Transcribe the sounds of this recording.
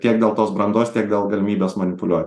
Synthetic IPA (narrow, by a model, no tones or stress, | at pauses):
t̪ʲiɛk̚d̪ʲeːlˠt̪oːsbɾɐnd̪oːst̪ʲiɛk̚d̪ʲeːlˠɡɐlʲɪmʲiːbʲeːsmɐnʲɪpʊlʲuɔt̪ʲ